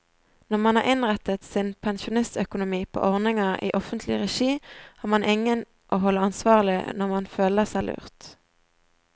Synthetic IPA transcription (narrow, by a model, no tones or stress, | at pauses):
nɔʁmɑnhɑːʁɪnʁɛt̪ət̪sɪnpʰɛnʃʊnɪst̪œkʊnʊmiːpʰo̰ːʔɔʁnɪŋɑʁʔḭːʔɔfənt̪ʰlɪʁɛʃiːæːʁmɑnʔɪŋən | ʔoːɦɔlːəɑnsʋɑːʁəlɪ̰nɔʁmɑnføːləʁsæɪlʉ̰ːʁt̪